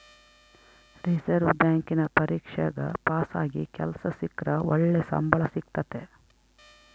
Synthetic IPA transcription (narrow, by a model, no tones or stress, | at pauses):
ɾisɐɾʋbjaːŋkinɐpɐɾiːkʂɐɡɐ̰paːsaːɡikɛlsɐsikɾɐɔɭːesɐ̰mbʱɐɭɐsik̚t̪ɐt̪e